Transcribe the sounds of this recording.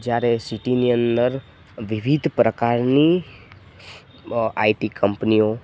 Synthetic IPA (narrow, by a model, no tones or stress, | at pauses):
d͡ʒaːɾesiʈiniənːəɾ | ʋɪʋid̪ʱpɾəkaːɾni | aːiʈikʰə̃mpniõ